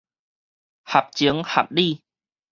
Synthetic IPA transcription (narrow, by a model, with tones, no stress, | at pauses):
ha˨p̚t͡ɕi˨˦ŋha̰˨˩p̚li˥˧˨